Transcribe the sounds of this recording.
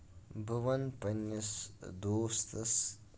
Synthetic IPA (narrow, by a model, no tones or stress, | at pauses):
bʱɐʋɐnpɐnːɐsd̪oːst̪ɐs